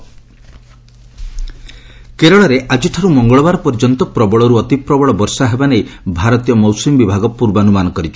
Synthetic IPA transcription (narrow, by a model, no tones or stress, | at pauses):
keɾɔɭɔɾeʔad͡ʒiʈʰaɾumɔŋɡɔɭɔbaɾɔpɔɾd͡ʒɔnt̪ɔpɾɔbɔɭɔɾuɔt̪ipɾɔbɔɭɔbɔɾsaɦebanejbʱaɾɔt̪ijɔmɔwsimbibʱaɡɔpuɾbɔɔnumanɔkɔɾit͡ʃʰɔ̥